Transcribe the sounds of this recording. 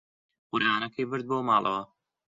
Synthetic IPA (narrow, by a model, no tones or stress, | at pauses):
qʊɾʔaːnɐkʰɐjbɨɾd̪̚boːmɑːlˠʔɐ̰wɐ